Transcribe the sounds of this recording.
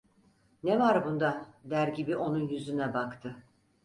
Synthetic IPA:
nevaɾbund̪ad̪æɾɟibiʔo̞nunjyzynɛbakt̪ʰɯ

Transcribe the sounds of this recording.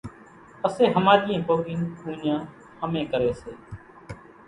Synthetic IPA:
əseːɦəmaːɾɪjãːboːɡiːnkũːnjãː | həmẽːkəɾeːseː

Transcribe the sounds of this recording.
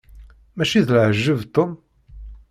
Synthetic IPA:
mæʃiðlʕəʒːəvt̪ːom

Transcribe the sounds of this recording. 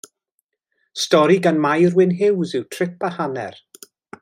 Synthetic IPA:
stɔɾiɡanmajrwɪnɦɪwzɪwtʰr̥ɪpahanɛ̰r

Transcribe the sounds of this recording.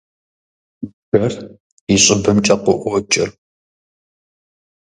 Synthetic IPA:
b̥ɐr | iɕʼɪbɨmt͡ʃʼɐqʷɔʔʷɔt͡ʃʼɪr

